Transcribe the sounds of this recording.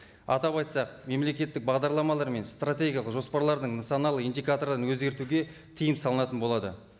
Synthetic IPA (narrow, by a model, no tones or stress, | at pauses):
ɑ̰t̪ɑβɑjt̪sɑq̚me̞mle̞kʲe̞t̪ːɪk̚bɑʁd̪ɑɾlˠɑmɑlˠɑɾme̞nst̪rat̪ʲe̞ɡʲijɑlˠəqʒo̞spɑɾlˠɑɾd̪əɴnat̪sonɑlˠəijnd̪ʲikat̪o̞ɾd̪ɑnwɵzɡʲe̞ɾt̪uɡʲe̞ | t̪ʰijɪmsɑlˠənɑt̪ənbo̞lˠɑd̪ə̰